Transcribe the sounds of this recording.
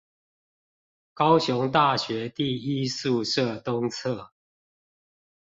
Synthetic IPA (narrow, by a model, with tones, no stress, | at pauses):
kɑ˦ʊɕʊ˧˦ŋt̪̬a˥˨ɕɥɛ˨˦t̪i˥˨i˥˦su˥˨ʂə˥˨t̪ʊ˦ŋt͡sʰə˥˨